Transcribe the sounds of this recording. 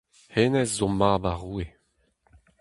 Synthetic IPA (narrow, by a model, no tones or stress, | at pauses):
henɛzzomaːbaʁuːe